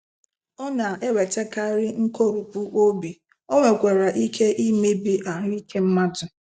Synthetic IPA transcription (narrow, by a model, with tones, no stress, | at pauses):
ɔ˦na˨ʔe˦we˨te˦ka˦ɾɪ˦ŋ̩˦ko˦˨ɾu˨pu˦ʔo˦bi˨ | o˦ŋʷe˨kʷe˨ɾa˨ʔi˦kʰe˦ʔi˦me˦bi˨ʔa˨ŋ˦i˦ke˦m̩˦ma˦dʊ˨